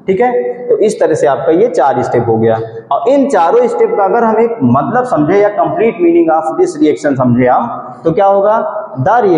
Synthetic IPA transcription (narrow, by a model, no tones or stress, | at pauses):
ʈʰiːkɦɛːt̪oʔɪst̪ɐɾəɦseaːp̚kajet͡ʃaːɾɪsʈeːpɦoɡɐjaː | ɔːɾʔɪnt͡ʃaːɾõɪsʈeːpkaɐɡəɾɦɐmẽmɐt̪ləbsɐ̃md͡ʒʱejakɐ̃mpliːʈmiːnɪ̃ŋɡaːfɪsɾiɛːkʃənsɐmd͡ʒʱẽaːm | t̪okjaːɦoːɡaːd̪aɾiɛː